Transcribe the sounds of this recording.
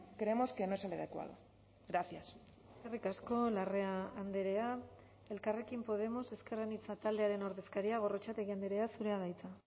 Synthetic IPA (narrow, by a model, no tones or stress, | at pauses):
kɾe̞emo̞ske̞noeseleðekwa̰ð̞o̰ | ɣɾaθjas | skerikasko̞lare̞aːnd̪eɾe̞a | e̞lkare̞kimpo̞ð̞e̞mo̞se̞ske̞ranit͡sat̪ald̪e̞aɾeno̞ɾðe̞skaɾiaɣ̞o̞ro̞t͡ʃat̪e̞ɣiand̪eɾe̞asuɾe̞aðajt͡sa